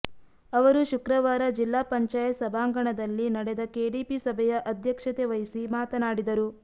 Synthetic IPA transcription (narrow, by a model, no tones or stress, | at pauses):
ɐʋɐɾuʃukɾɐʋaːɾɐd͡ʒilːaːpɐɲt͡ʃaːjɐsɐbʱaːŋɡɐɳɐd̪ɐlːinɐɽɛd̪ɐkeːɽiːpisɐbʱɛjɐʔɐd̪ʱjɐkʂɐt̪eʋɐjisimaːt̪ɐnaːɽid̪ɐɾu